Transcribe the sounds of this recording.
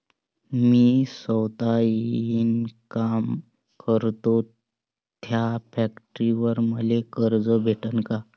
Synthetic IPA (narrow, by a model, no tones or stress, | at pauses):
miːsəwt̪ainkam | kəɾt̪o | t̪ʰjapækʈɾiʋəɾməlekəɾd͡zəbʱeʈənka